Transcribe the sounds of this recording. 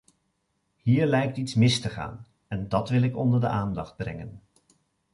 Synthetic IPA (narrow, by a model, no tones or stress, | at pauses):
hiːɹlɛjk̚titsmɪstəχa̰ːn | ɛndɑtʋɪlˠɪkɔndəɹdə̰ʔaːndɑχd̚brɛ̰ŋən